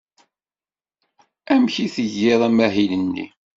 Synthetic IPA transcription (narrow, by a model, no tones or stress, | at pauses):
æmçiθəʝːɪðˤæmæɦilənːḭ